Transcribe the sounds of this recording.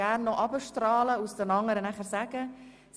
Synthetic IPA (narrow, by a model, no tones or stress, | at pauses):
æɾnːɔʔɑbəʃtɾɑːləusdənɑŋəɾənæχəɾsæɡ̥ə | s